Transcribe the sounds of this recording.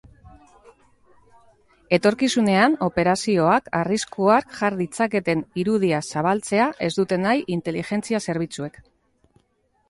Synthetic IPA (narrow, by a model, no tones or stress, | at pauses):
e̞t̪o̞ɾkisune̞ano̞pe̞ɾasio̞akariskuakʝaɾðit͡sake̞t̪e̞niɾuð̞iasaβ̞alt͡se̞aʔe̞zd̪ut̪e̞najʔint̪e̞liʝe̞nt͡siase̞ɾβ̞it͡sue̞k